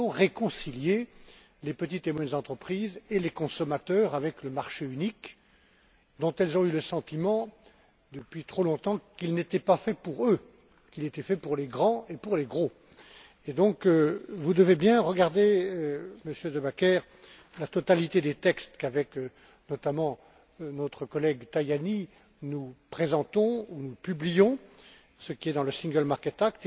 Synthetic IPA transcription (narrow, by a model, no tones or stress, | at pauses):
ɔ̃ʁekɔ̃silje | lepət̪̬it̪emwɛnzɑ̃t̪χəpχizelekɔ̃sɔmat̪œʁavɛkləmaʁʃeynik | d̪ɔ̃t̪ɛlzɔ̃yləsɑ̃t̪imɑ̃ | d̪əpɥit̪χolɔ̃t̪ɑ̃kilnet̪ɛpafɛpuʁø | kilet̪ɛfɛpuʁleɡʁɑ̃epuʁleɡʁo | ed̪ɔ̃køvud̪əvebjɛ̃ʁəɡaʁd̪e | məsjød̪əbakʲɛʁ | lat̪ɔt̪alit̪ed̪et̪ɛkst̪kavɛk | nɔt̪amɑ̃ | nɔt̪χəkɔlɛɡt̪ajani | nupχezɑ̃t̪ɔ̃unupyblijɔ̃ | səkʲiɛd̪ɑ̃ləsĩŋɡœlmaʁkɛt̪ak̚t̪